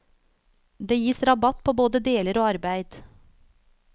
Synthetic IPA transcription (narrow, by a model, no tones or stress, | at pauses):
d̪eːjiːsɾɑbɑt̪pʰoːboːd̪əd̪eːləɾoːɑɾbæɪd̪̥